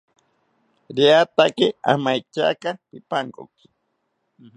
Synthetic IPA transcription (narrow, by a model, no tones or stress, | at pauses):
ɾiat̪akɪa̰majt͡ʃa̰kapɪpaɴko̰k